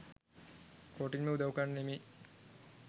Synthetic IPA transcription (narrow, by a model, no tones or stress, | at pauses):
koːʈiŋmeud̪ɐukanːnemi